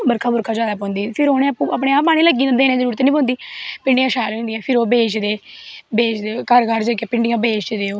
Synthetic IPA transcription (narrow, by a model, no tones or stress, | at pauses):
bəɾkʰaːbʊɾkʰaːd͡ʒaːd̪aːp̬ɔ̃ːnd̪iːpʰɪɾoːnẽːpũəpɽeːaːpːaːñĩːləɡiːəd̪eːnẽːd͡ʒəɾuːɾt̪eːnĩːpɔ̃ːnd̪iːpɪɳɖɪjãːʃaːlɛ̃ːnd̪iːɛ̃ːpʰɪɾoːbeːt͡ʃd̪eːbeːt͡ʃd̪eːkəɾkaɾd͡ʒeːkeːpɪɳɖɪjãːbeːt͡ʃd̪eːoː